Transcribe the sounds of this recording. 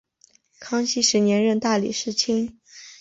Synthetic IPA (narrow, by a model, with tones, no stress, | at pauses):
kʰɑ˥ŋɕi˥ʂɻ̩˧˥njɛ˧˥nɻə˥˧nt̪a˥˩lḭ˨˩ʂɻ̩˥˩t͡ɕʰi˥ŋ